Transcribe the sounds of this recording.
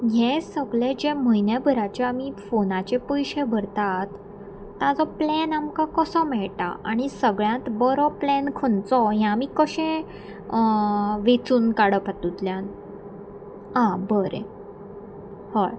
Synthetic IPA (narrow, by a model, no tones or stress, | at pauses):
ɦẽsəɡɭed͡ʑeməɦinjabʱəɾat͡ɕaamifonat͡ɕepəjɕẽbʱəɾt̪at̪ː | ãd͡zɔplɛnamkakəsɔmɛɭʈa̰ʔaɽ̃isəɡɭjãt̪bəɾɔplɛnkʰənt͡sɔɦjãːmiːkəɕẽ | ʋet͡suːnkaɽəpat̪ut̪ljan | ãbəɾḛ | həɭ